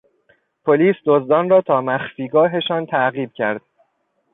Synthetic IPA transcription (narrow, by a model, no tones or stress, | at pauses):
pʰoliːsd̪ozd̪ɒːnrɒːt̪ʰɒːmæxfiːɡɒːɦe̞ʃɒːnt̪ʰæɣiːb̥̚cʰæɾd̪̥̚